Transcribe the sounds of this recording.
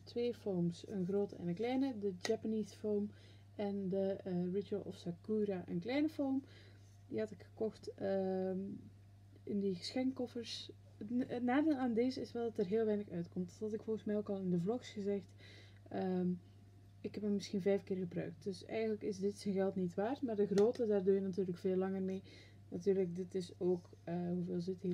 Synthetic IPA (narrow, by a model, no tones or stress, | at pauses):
tʰʋeːfowmsə̰nɣroːtəɛ̰nənklɛjnədəd͡ʒapanisfowm | ʔɛndərɪt͡ʃəlˠɔ̰fsakuːraʔə̰nklɛjnəfowm | diɦɑtɪkxə̥kɔxtə | ɪndiɣə̥sxɛŋkɔfəɹs | ətnaːdeːlˠaːndɪːzəɪsʋɛlˠdɑtərɦɪːlˠʋɛjnəxœɥtkɔmthɑtɪkfolˠɣənsmɛjoːkɑlˠɪndəvlɔxsɣəzɛxt | ə | ɪkɦɛpəmmɪsxinvɛjfkɪːrɣəbrœ̰ɥk̚t̚d̥øsɛ̰jɣənləkɪsdɪtsɛnɣɛlˠtnitʋaːrtmaːrdəɣroːtədaːrdøːjənatyːrləkfeːlˠːɑŋərmeː | natyːrlək̚dɪtɪsoːk | əɦuveːlˠzɪthi